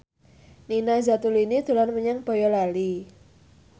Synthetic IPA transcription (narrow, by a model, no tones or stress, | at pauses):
ninazat̪uliinid̪̥ṳlanməɲaŋb̥ɔ̤jɔlali